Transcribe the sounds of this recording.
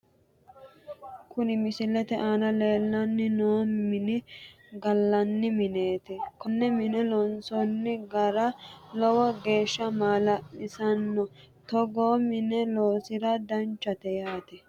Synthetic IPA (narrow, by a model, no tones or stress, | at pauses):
kʊnɪmɪsɪlɛt̪ɛʔaːnɐleːlːɐnːɪnoːmːɪnɪ | ɡɐlːɐnːɪmɪne̞ːt̪ɪkɔnːɛmɪnɛlɔnsɔnːɪɡɐɾɐlɔwɔɡe̞ːʃːɐmaːlɐʔɪsɐnːɔt̪ɔɡoːmɪnɛloːsɪɾɐd̪ɐnt͡ʃːɐt̪ɛjaːt̪ɪ